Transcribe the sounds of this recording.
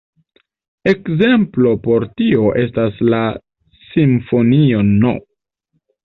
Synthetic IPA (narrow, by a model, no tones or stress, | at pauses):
e̞kze̞mplo̞po̞ɾtio̞ʔe̞stasla | siɱfo̞nio̞no̰